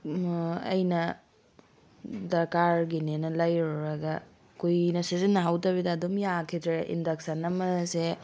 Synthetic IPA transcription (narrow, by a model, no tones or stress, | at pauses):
ɐ̰jnɐ | dɐɾkaɾɡinenɐlɐjɔɾɐɡɐ | kujnɐsizinːɐɦawtɐbidɐːdomjakʰidɾeʔḭndɐk̚sɐnɐmɐse